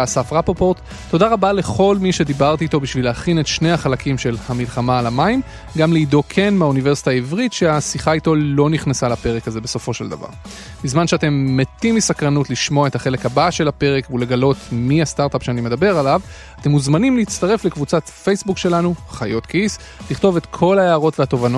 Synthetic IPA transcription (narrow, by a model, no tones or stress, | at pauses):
safʁapopoʁt̪ː | o̞daʁabale̞χo̞lmiʃe̞d̪ibaʁt̪iːto̞biʃvilehaχinetʃne̞haχalakʰimʃe̞lamilχamaːlamaim | ɡamleido̞kʰe̞nmaunive̞ʁsi̥taːivʁitʃeasiχaito̞lo̞niχnasalape̞ʁekaze̞be̞so̞fo̞ʃeld̪a̰va̰ʁ | bizmanʃeate̞mːetimisakʁanutliʃmoaetaχe̞le̞khabaʃe̞lape̞ʁekvule̞ɡalo̞tmiast̪aʁt̪apʃeanime̞d̪abe̞ʁalav | ate̞muzmanimleit͡st̪aʁe̞flekvut͡satfe̞jsbukʃe̞lanuχajo̞t̪kis | liχt̪o̞vet̪kʰo̞laeaʁo̞tveato̞vano